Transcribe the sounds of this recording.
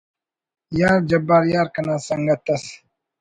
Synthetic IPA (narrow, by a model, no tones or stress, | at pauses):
jaɾd͡ʒɐbaɾjaɾkənasaŋɡat̪ɐs